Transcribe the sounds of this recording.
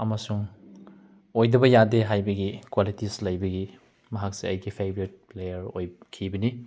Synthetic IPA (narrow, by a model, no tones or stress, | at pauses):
ɐmɐsuŋ | ojdɐbɐjadeɦajbɐɡikwalitislɐjbɐɡi | mɐɦak̚seɐjɡipʰebɾit̚plejɐɾojkʰibɐni